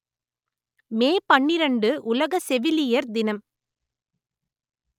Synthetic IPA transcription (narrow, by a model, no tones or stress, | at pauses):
meːpɐɳːɪɾɐɳɖɯʔʊlɐɣɐsɛʋɪlɪjɐɾd̪ɪnɐm